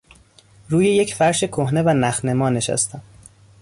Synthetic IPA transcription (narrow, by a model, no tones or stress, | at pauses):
ɾuːje̞jecfæɾʃekʰohne̞vænæxne̞mɒːne̞ʃæ̰st̪ʰæm